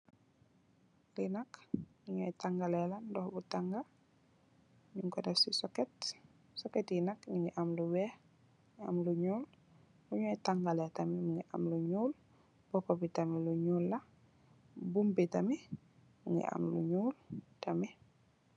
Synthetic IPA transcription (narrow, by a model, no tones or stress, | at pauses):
linakniŋɛjtaŋɡalɛlandɔhbutaŋɡa | ɲuŋkɔdɛfsisɔkɛt | sɔkɛtjinakniŋɡɛʔamluwɛ | a̰mluɲul | buɲɔjtaŋɡalɛtamimuŋɡiʔa̰mluɲuːl | b̥ɔpabitamiluɲuːlːa | bumbitami | muŋɡɛ̰ʔa̰mlṵɲuːltami